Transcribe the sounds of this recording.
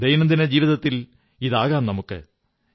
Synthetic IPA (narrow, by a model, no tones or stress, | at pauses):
d̪ɐjnɐmd̪inɐd͡ʑiːʋiðɐt̪ːil | iðaːɣaːnnɐmukːɨ̰